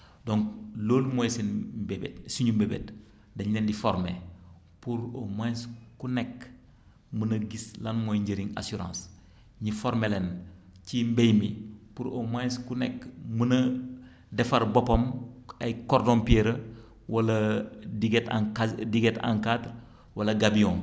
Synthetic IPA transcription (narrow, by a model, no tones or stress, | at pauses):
doŋkloːlmojsenmbebetsiɲumbebḛt | dɐɲendifɔɾmḛ | puɾomãskunek | munɐɡislanmojɲɟəɾiŋa̰suɾã̰ːns | ɲifɔɾmelencimbejmipuɾomaskunɛkmunɐ | dɛfaɾbɔpomɐjkɔɾdompieɾɐ | wɐlɐdiɡtaadiɡeta̰ŋkatr | wɐlɐɡabiɔ̃ŋ